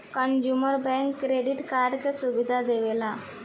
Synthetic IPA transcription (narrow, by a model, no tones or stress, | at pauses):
kənd͡ʒuməɾbɛ̃ŋkːɾeɖiʈkaɾɖkesubid̪ʱad̪eʋela